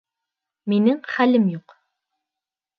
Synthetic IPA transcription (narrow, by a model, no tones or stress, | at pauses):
minɪŋχælɘmjuq